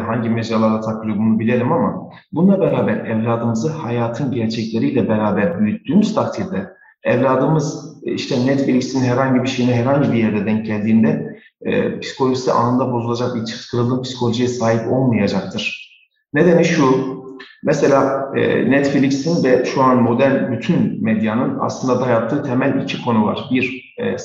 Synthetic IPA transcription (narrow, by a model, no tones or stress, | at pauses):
ɦaɲɟimed͡ʒalˠaɾat̪ʰaklʲˠoɡunubilʲelʲimama̰ | bunlˠabɛɾaːbæɾɛvlʲaːd̪ɯmɯzɯhajaːt̪ʰɯnɟæɾt͡ʃʰɛclʲe̞ɾijlʲɛbɛɾaːbæɾbyjyt̪ʰːyːmyzt̪ʰak̚t̪ʰiɾd̪ɛ | ɛvlʲaːd̪ɯmɯziʃt̪ʰɛnɛt̪filʲicsinɦɛɾhaɲɟibiɾʃe̞jinɛɦɛɾhaɲɟibijɛɾd̪ɛd̪ænɟælʲd̪iːnd̪ɛ̰ | pʰi̥si̥kʰo̞lʲoisḭʔa̰nɯnd̪abo̞zulˠad͡ʒak̚biɾt͡ʃʰɯ̥kʰɯɾɯlˠɯːmpsi̥kʰo̞lʲoʒijɛsaːɦipo̞lˠmɯjad͡ʒak̚t̪ʰɯɾ̥ | ned̪eniʃu | mɛselʲa̰ːnɛt̪filʲicsinvɛʃuanmo̞d̪æɾlʲbyt̪ʰynmed̪janɯna̰slˠɯnd̪ad̪ajap̚t̪ʰːɯːt̪ʰemælʲicʰikʰo̞nuva̰ɾ̥biɾ